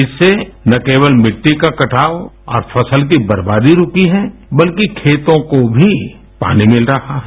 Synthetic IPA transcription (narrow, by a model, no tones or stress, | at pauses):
ɪsːenɐkeːwəlmɪʈːikakɐʈʰaːo | ɔ̰ːɾfʰɐsəlk̬ibɐɾbaːd̪iɾʊkiɦɛːbɐlkikʰeːt̪õkobʱi | pa̰ːnimɪlɾɐhaɦɛː